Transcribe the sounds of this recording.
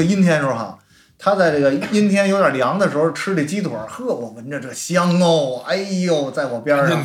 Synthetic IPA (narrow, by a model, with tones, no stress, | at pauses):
ə˩i˥nt̪ʰjɛ˥nʈ͡ʂʊ˧˩˥xɑ̰˨˩˦ | t̪ʰa˥t͡sa˥˧ɪʈ͡ʂə˥˩ɡə˩i˥nt̪ʰjɛ˥njo˧˥d̪jə˨˩ljɑ˧˥ŋd̪ə˨ʂɻ̩˧˥xo˧ʊʈ͡ʂʰɻ̩˥li˨˩t͡ɕi˥t̪ʰwɔ˨˧˩xɤ˥˩wɔ˨˩mə˧˥nʈ͡ʂə˧ʈ͡ʂɤ˥˩ɕjɑ˥ŋo˥˧˩ʊa˥ɪjo˥˩ʊt͡sa˥˩ɪwɔ˨˩pjɛ˥˨˩